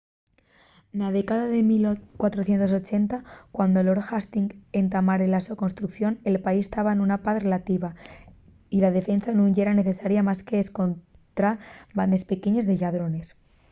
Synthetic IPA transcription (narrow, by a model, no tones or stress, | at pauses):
naðekaðaðe̞milkwat̪ɾoθje̞nt̪oso̞t͡ʃe̞nt̪akwand̪o̞loɾxast̪iŋɡe̞nt̪amaɾelasoko̞nst̪ɾukθjo̞nelpaisest̪aβaenunapat̪re̞lat̪iβa | ilaðe̞fe̞nsanũŋʝeɾane̞θe̞saɾjamaske̞ːsko̞nt̪ɾaband̪e̞spe̞ke̞ɲezðe̞ʎaðɾo̞ne̞s